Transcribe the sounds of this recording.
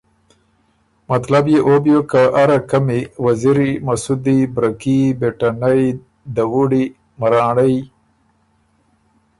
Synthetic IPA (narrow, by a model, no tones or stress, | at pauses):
mat̪labjeʔobjokaʔaɾakamiwaziɾimasud̪ibɾakibeʈanaj | d̪awuɽi | maɾɑːɳaj